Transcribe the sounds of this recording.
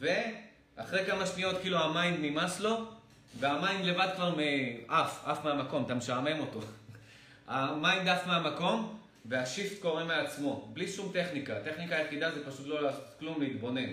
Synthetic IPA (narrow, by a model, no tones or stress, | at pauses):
ve̞ | ʔaχʁejkamaʃnio̞t̪kiiːluamainːimaslo̞ | ve̞amainle̞vad̪̚kvaʁmeʔafafmeamako̞mt̪ameʃame̞mo̞t̪o̞ | amaind̪afmeamako̞m | ve̞aʃift̪ko̞ʁemelat͡smo̞bliʃumt̪e̞χnikat̪e̞χnikaːjeχid̪azepaʃut̪lo̞laːsot̪klumleit̪bo̞ne̞n